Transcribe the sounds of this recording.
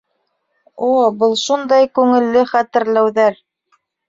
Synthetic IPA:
obɤlˠʃund̪ɑjkʉŋɘ̆lːɘχæt̪ɘ̆ɾlæwðæɾ

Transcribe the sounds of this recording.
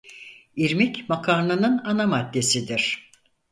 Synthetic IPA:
iɾmicmakʰaɾnˠanɯnanamad̪ːe̞sid̪iɾ̥

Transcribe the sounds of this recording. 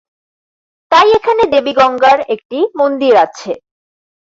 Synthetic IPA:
t̪ajekʰaned̪ebiɡɔŋɡaɾek̚ʈimond̪iɾatːɕʰe

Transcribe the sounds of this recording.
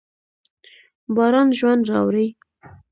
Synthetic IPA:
bɑɾɑnʒwand̪ɾɑ̰wɾij

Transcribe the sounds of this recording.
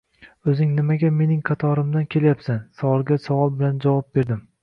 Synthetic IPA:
ɵzɪŋnɪmaɡʲame̞nɪŋqʰɑt̪ʰɒɾɪmd̪ankʲʰe̞ljapsansawɒlˠɡʲasavɒlˠbɪland͡ʒavɒp̚be̞ɾd̪ɪm

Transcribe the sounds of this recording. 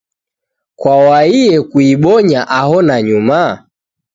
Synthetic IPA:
kwawaiɛkuiɓɔɲaʔahɔnaɲuma

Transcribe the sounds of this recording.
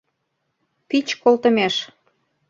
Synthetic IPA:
pit͡ɕkolt̪ə̆meʃ

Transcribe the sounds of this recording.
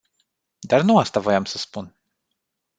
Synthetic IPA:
d̪aɾnuast̪avajamsəspun

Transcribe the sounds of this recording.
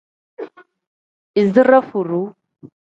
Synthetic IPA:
izərˤːafurːu

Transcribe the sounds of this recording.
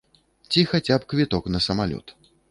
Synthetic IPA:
t͡sʲixat͡sʲapkvʲit̪ɔknɐsɐmalʲɔ̰t̪

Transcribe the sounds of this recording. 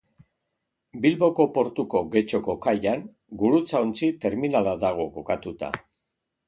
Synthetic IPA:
bilβo̞ko̞po̞ɾt̪uko̞ɣe̞t͡ʃo̞ko̞kaʎaŋ | ɡuɾut͡saont͡sit̪e̞ɾminalaðaɣ̞o̞ko̞kat̪ut̪a̰

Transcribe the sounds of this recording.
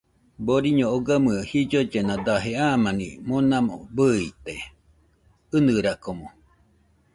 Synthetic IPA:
boɾiɲooɡamɯəhid͡ʒod͡ʒenad̪aɦeamanḭmonamo̰bɨit̪e | ɨnɨɾakomo

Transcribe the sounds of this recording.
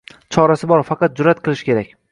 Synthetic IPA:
t͡ʃʰɒɾasɪbɒɾfɑqɑt̪̚d͡ʒʊɾat̪̚qʰɨlˠɪʃkʲe̞ɾakʲ

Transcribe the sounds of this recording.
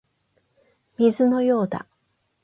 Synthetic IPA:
mʲizɨno̞jo̞ːd̪a̰

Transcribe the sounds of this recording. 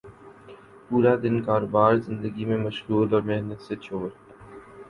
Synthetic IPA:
puːɾad̪ɪnkaːɾoːbaːɾzɪ̃nd̪əɡimẽmɐʃɣuːlɔːɾmɪɦnət̪set͡ʃʰoːɾ

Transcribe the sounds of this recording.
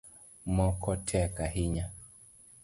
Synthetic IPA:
mɔkʰɔtʰɛkahiɲa

